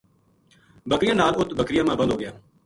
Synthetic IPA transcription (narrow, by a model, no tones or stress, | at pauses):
bəkɾɪjãːnaːlʊt̪bəkɾɪjãːmãːbə̃nd̪ʱɦoːɡɪjaː